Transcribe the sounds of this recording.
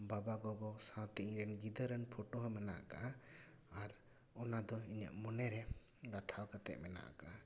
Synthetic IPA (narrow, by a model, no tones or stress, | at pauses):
babaɡɔɡɔsãwt̪iʔĩɾɛnɡid̪əɾənpʰɔʈɔɦɔmɛna̰ʔa̰kaʔa | aɾ | ɔnad̪ɔiɲə̰ʔmɔnɛɾɛ | ɡat̪ʰaɔkat̪ɛ̰ʔ̚mɛna̰ʔa̰ka̰ʔ